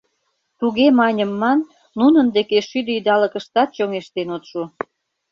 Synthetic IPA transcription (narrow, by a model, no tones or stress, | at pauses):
t̪uɣemɑnʲəmːɑnː | unənd̪ekeʃyd̪əyd̪ɑləkəʃt̪ɑt̪̚t͡ɕoŋeʃt̪enot̪ʃu